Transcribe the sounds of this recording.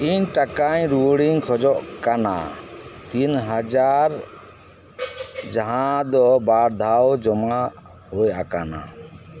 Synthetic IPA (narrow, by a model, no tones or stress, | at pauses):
iɲʈakaɲɾuɽiŋkʰɔd͡ʒɔʔkana̰t̪inɦad͡ʒaɾ | d͡ʒaɦãd̪ɔbaɾd̪ʱawd͡ʒɔmaʔ | hujakana̰